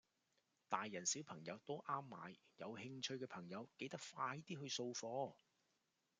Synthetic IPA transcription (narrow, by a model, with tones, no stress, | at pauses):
t̪aː˨jːɐ˨˩nsi˨˥wpʰɐ˨˩ŋjɐ˨˧wt̪o˥ʔaː˥mːaː˨jjɐ˨˧whɪ˧ŋt͡ʃʰɵ˧ɥkɛː˧pʰɐ˨˩ŋjɐ˨˧wke˨˧jt̪ɐ˥k̚faː˧jt̪iː˥ɦɵ˧ɥso˧wfɔː˧